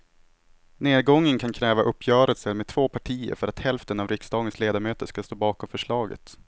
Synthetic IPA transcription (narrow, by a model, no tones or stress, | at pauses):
neːd̪̚ɡɔŋːənkʰankʰɾɛːvaʔɵpːjœːɾəlsəlmeːd̪t̪ʰvoːpʰaʈʰiːə̰ɾfœɾat̪hɛlft̪ənavɾɪksd̪ɑːɡənsleːd̪aɾmøːt̪əʂkast̪oːbɑːkɔmfœʂɭɑːɡə̰t̪